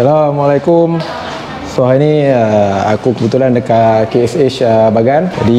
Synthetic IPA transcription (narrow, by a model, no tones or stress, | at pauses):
salamalajkum | sɔɦainiəa̰kukəbət̪ulandəkakeɛset͡ʃəbaɡand͡ʒa̰di